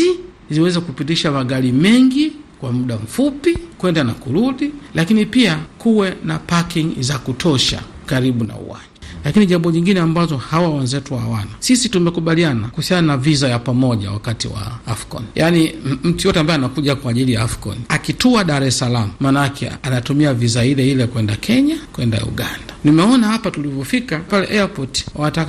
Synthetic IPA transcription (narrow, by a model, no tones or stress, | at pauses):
i | ziwɛzɛkupitiʃamaɡalimɛŋɡikwamuɗam̩fupikwɛndanakuɾuɗilakinipiakuwɛnapakiŋzakutʰɔʃa̰kaɾiɓuna̰ṵwa̰nd͡ʒalakiniʄambɔɲiŋɡinɛambazɔhawawɛnzɛtuwaawanasisitumɛkuɓalianakuhusiananavizajapamɔʄa̰wa̰katiwa̰afkɔ̰nijʔanim̩tijɔtɛambaɛanakuʄakwaːʄilijaafkɔ̰niakituaɗaɾɛsalamumaːnaakʰɛ̰anatumiavizailɛilɛkwɛndakʰɛɲakwɛnda̰ṵɠandanimɛɔnahapatulivɔfikapalɛ̰ʔɛapɔti̥watak